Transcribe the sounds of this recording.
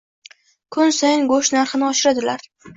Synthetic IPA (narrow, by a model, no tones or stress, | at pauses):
kʰʊnsajɪŋɡoʃnaɾχɪnɪɒʃɪɾad̪ɪlaɾ